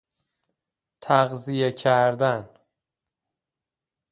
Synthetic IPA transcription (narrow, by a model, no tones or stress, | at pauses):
t̪ʰæɣzije̞cʰæɾd̪æn